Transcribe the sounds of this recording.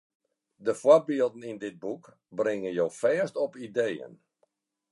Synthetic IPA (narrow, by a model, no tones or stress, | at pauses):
dəfwɔbiəlˠdn̩indɪt̚buk | brɪŋənjoːfɛːstɔpidejə̰n